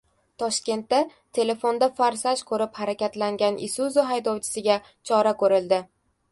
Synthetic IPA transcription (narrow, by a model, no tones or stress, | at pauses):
t̪ʰɒʃkʲe̞nt̪ːa | t̪ʰe̞le̞fo̞nd̪afaɾsaʃkʰɵɾɪphaɾakʲat̪laŋɡʲanʔɪsuzʊɦajd̪ɒwt͡ʃʰɪ̥sɪɡʲa | t͡ʃʰɒɾakʰɵɾɪld̪ɪ